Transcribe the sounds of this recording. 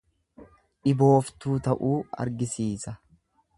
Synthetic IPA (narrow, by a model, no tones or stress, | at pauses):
ᶑɪbo̞ːft̪uːt̪ɐʔuːɐ̰ɾɡɪsiːsɐ